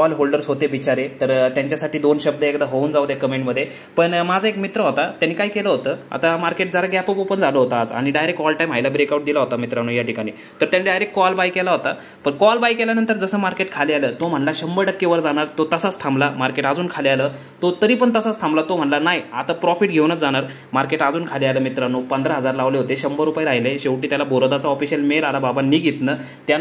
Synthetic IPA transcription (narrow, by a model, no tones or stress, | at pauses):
kɔlɦolɖəɾsɦot̪eʋit͡ɕaɾet̪əɾt̪jaɲt͡ɕjasaʈiːd̪onɕəb̚d̪əekd̪aɦouːnd͡zawd̪jakəmeɳʈməd̪ʱːje | pəɳmad͡zʱəekmit̪ɾəɦot̪at̪janːiːkaikeləɦot̪əːa̰t̪amaɾkeʈ̚d͡zaɾaɡapopopəɳd͡zaləɦot̪aad͡za̰ɽ̃iɖajɾek̚ʈɔlʈajmɦajlabɾekauʈ̚d̪ilaɦot̪amit̪ɾañujaʈʰikaɽ̃iː | t̪əɾt̪janiːɖajɾekʈ̚ːkɔlbajkelaɦot̪a | pəɳkɔlbajkeljanənt̪əɾd͡zəsəːmaɾkeʈkʰalealəːt̪om̤əɳlaɕəmbəɖəkːeʋəɾd͡zaɽ̃aɾt̪ot̪əsast̪ʰamblamaɾkeʈad͡zuːnkʰalealəː | t̪ot̪əɾiːpəɳt̪əsast̪ʰamblat̪om̤əɳlanajat̪apɾɔfiʈ̚ɡʱeʋnət̪d͡zaɽ̃aɾ | maɾkeʈad͡zuːnkʰalealəːmit̪ɾanupənd̪ɾaɦəd͡zaɾlaʋleɦot̪eɕəmbəɾupajeɾaɦjleɕeʋʈiːt̪jalabʱoɾəd̪at͡saɔfiɕəlmeɾalababanːiːɡʱet̪nəː | t̪ja